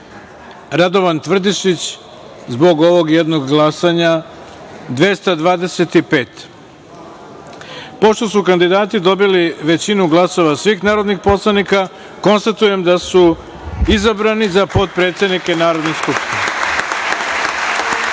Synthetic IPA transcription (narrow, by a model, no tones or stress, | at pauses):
ɾad̪o̞ʋant̪ʋr̩d̪iʃit͡ɕ | zbo̞ɡo̞ʋo̞ɡjed̪noɡɡlˠasaɲa | d̪ʋe̞st̪ad̪ʋaːd̪e̞se̞t̪ipeːt̪ | po̞ʃt̪o̞sukand̪id̪aːt̪id̪o̞biliʋe̞t͡ɕinuɡlˠaso̞ʋasʋixnaːɾo̞d̪nixpo̞slˠanika | ko̞nst̪at̪uje̞md̪asu | izabɾanizapo̞t̪̚pɾe̞ːt̪sʲe̞d̪nike̞naːɾo̞d̪noskupske